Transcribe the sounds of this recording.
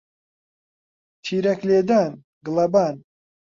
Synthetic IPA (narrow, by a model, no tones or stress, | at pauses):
t̪ʰiːɾɐkleːd̪aːn | ɡɨlɐbaːn